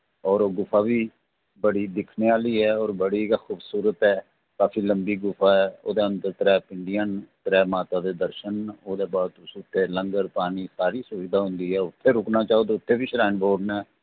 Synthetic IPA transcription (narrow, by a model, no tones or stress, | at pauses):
ɔːɾoːɡʊfʰaːbiː | bəɽiːd̪ɪkʰneːaːliːɦɛːɔːɾbəɽiːxuːbsuːɾət̪ɦɛː | kaːfiːləmbiːɡʊfʰaːɛːo̰ːd̪eːənd̪əɾt̪əɾɛːpɪɳɖijənt̪əɾɛːmaːt̪aːd̪eːd̪əɾʃənoːd̪eːbaːd̪ʊsʊt̪ʰːeːləŋɡəɾpaːniːsaːɾiːsʊʋiːd̪aːɦʊ̃nd̪iːɦɛːʊt̪ʰːeːɾʊknaːt͡ʃaːoːd̪ʊt̪ʰːeːbiːʃɾaːnboːɖnɛː